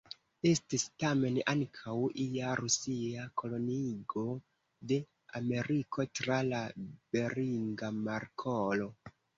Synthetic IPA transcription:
e̞stistame̞naŋkʰawiaɾusiakʰo̞lo̞niɡo̞ | de̞ | ame̞ɾikʰo̞tɾalabe̞ɾiŋɡamaɾkʰolo̞

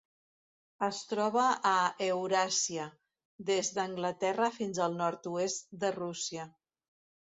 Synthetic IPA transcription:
əst̪ɾɔβ̞əʔːewɾasiə | ðezðəŋɡlət̪ɛrəfinzəlˠnɔɾt̪uest̪d̪ərusiə

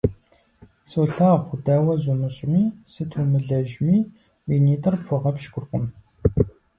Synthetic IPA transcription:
soːɬaːχʷʊdaːwɐzumɨɕʼmiːsɨtʰumɨɮɐʒmiː | wiːniːtʰʼɨrpʰʊʁɐpʃɡʷʊrkʷʼʊm

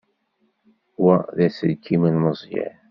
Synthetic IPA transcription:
wæðæsəlkːiməlməzˤjæ̰

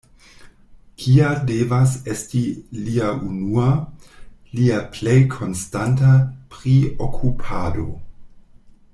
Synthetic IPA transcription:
kʰiadevasestiliaunua | liaplejkʰo̞nstantapɾiokʰupʰado

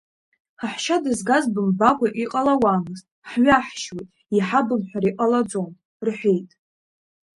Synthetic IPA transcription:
aħʃadɨzɡazbɨmbakʷʼaʔiqʼalawaːmɨztʼħɥaħʃwejtʼ | iħabɨmħʷᶣaɾiqʼalad͡zon | rħʷe̞jtʼ

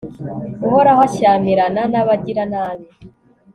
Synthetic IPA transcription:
uɦoɾahaʃaːmiɾananaβaɟiɾanaːβi

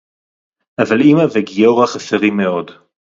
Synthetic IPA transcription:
ʔavalimaveɡijoʁaχaseʁimːeo̞d

